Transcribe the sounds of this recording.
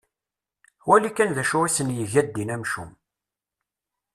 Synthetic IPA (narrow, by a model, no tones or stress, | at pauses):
wælikːænðæʃʊʁisənjəʝæd̪ːinæmʃṵm